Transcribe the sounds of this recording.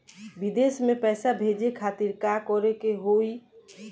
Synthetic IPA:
bid̪esmepɛːsabʱed͡ʒekʰat̪iɾkakɔɾekeɦoi

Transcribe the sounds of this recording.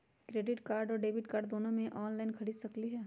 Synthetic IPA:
kɾeːɖɪʈkaːɾɖɔːɾɖeːbɪʈkaːɾɖ̚d̪oːnõmẽʔɔːnlaːɪnkʰɐɽiːd̪sɐkliɦɛː

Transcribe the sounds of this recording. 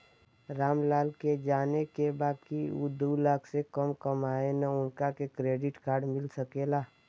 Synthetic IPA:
ɾaːmlaːlked͡ʒaːnekebaːkiud̪uːlaːkʰsekəmkəmaːenaʊnkakekɾeːɖɪʈkaːɾɖmɪlsəkeːlaː

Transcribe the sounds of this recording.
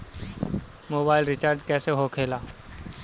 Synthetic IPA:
moːbaːɪlɾɪt͡ʃaːɾd͡ʒkɛːseɦoːkʰeːlaː

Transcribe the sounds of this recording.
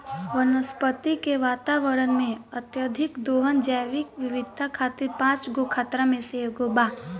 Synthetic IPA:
ʋənəspət̪ikeʋaːt̪aʋəɾənmẽət̪jəd̪ʱɪkd̪oːɦənd͡ʒaʋɪkʋɪʋɪd̪̚ʱakʰaːt̪ɪɾpãːt͡ʃɡokʰaːt̪ɾãmẽseɡobaː

